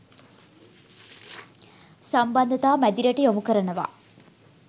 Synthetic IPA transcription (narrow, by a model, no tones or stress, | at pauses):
sɐmbɐnd̪ʱɐt̪aːmɐd̪iɾɐʈːijomukɐɾɐɳɐʋa̰